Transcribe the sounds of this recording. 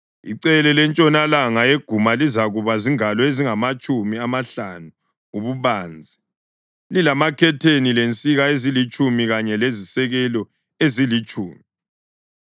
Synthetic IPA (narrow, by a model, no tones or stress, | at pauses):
ḭǀɛlɛlɛnt͡ʃʼɔnalaŋaeɡ̥ʱumalizaɣuβaziŋalɔeziŋamat͡ʃʼumiamaɬanu | uβuβaːnd͡zʱi | lilamakʰɛtʰenilent͡sʼiɣaezilit͡ʃʼumiɣaɲɛlezisɛɣɛlɔ | ezilit͡ʃʼuːmi